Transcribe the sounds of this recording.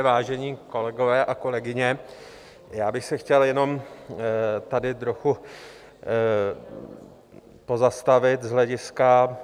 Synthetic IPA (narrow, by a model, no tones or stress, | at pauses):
vaːʒɛɲiːko̞lɛɡo̞vɛːʔako̞lɛɡɪɲɛ | jaːbɪxsɛxcɛljɛno̞m | t̪adɪt̪ɾo̞xu | po̞zast̪avɪt̪zɦlɛɟɪska